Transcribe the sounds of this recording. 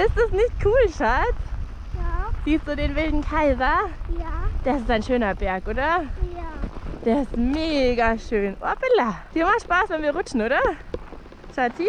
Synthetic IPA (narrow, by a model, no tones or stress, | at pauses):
ʔɪstdɛsnɪçt̚kʰuːlʃaːtː | z̥iːstd̥uːdeːnvɪldn̩kʰaɪzɐ | d̥ɛɐɪsɪstaɪnʃøːnɐbɛɐkʔoːdɐ | d̥eːɐɪstmeːɡaʃøːnʔabɪlad̥iːɐmaχtʃpaːsvɛnviːɐʁʊt͡ʃn̩ʔoːɾɐ | ʃati